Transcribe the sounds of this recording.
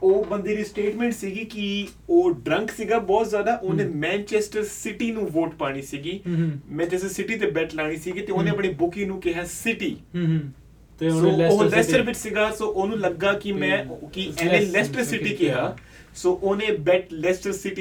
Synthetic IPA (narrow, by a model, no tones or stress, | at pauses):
oːbənd̪eːɾiːsʈeːʈmɛ̃ːɳʈsiːɡiːkɪi | oːɖɾə̃ŋksiːɡaːbɔːt̪zjaːd̪aːʔoːnẽːmɛ̃ːnt͡ʃɛːsʈəɾsɪʈiːnũːʋoːʈpaːɽ̃iːsiːɡiːmɛ̃ːt̪ɪssɪʈiːt̪̬eːbɛːʈlaːɽ̃iːsiːɡiːt̪eːoːneːəpɳiːbʊkĩːnũːkɪɦaːsɪʈiː | soːoɦlɛːsʈəɾʋɪt͡ʃsɪɡaːsoːʔoːnũːləɡːaːkɪmɛ̃ːkɪɛ̃ːnẽːlɛːsʈəɾsɪʈiːkɪɦaː | soːʔoːnẽːbɛːʈlɛːsʈəɾsɪʈiː